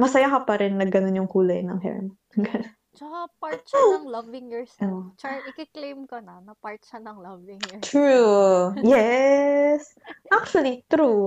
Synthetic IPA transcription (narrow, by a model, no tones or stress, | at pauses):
mɐsɐjakɐpɐɾɛnːɐɡɐnonjʊŋkuːlɐjnɐ̰ŋhɛ̰ɹ̰m | ɐɡɐno | t͡ʃɐkapaɹt̪t͡ʃaɐŋlɐvɪŋjɛɹsɐnot͡ʃaɪkɪklejmkonɐnɐpaɹt̪̚t͡ʃɐnɐŋlɐvɪŋt̪ɹujɛ | s | ʔak̚t͡ʃuɐlit̪ɾu